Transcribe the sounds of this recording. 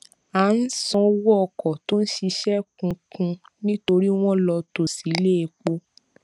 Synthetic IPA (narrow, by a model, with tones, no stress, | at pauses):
a˨˦n̩˦sɔ̃˧˦wɔ˦ɔ˧˨kɔ˨to˦n̩˦ʃi˧ʃɛ˦kũ˧kũ˧ | nĩ˦to˧ɾi˦w̃ɔ̃˦lɔ˧to˨si˨˦le˦e˧k͡po˦